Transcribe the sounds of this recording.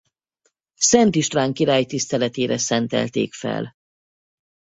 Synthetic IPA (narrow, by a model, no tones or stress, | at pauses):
sɛnt̪iʃt̪raːŋkiɾaːjt̪ist̪ɛlɛt̪eːɾɛsɛnt̪ɛ̰lt̪ḛːkfɛ̰l